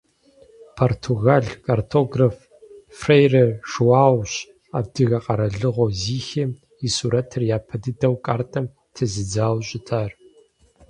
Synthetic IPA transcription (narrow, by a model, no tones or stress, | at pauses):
pʰortʰuɣaɮkʼartʰoːɡraf | frejrɐʂwaːwɕ | a̰ːb̚dɨɣɐqɐɾɐɮɨʁʷɔziːxem | isuːɾɐtʰɨrjaːpʰɐdɨdɐwkʼaːrtʰʼɐm | tʰɨzɨd͡zaːwɕʼɪtʰaːr